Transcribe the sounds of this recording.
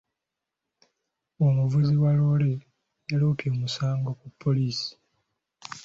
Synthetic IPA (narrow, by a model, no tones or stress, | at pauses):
omuvuziwalo̞ːle̞ː | loːpjo̞ːmusaːŋɡo̞kupʰːo̞liːsi̥